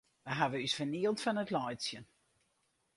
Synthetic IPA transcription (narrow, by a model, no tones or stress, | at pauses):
ʋəɦavəysfəniəlˠtfɔnətlɔjsjən